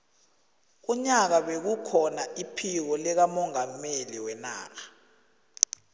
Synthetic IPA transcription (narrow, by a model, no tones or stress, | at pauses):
uɲak̬aɓek̬ukʰɔnaʔipʰik̬ɔlɛk̬amɔŋameliwɛna̰ːka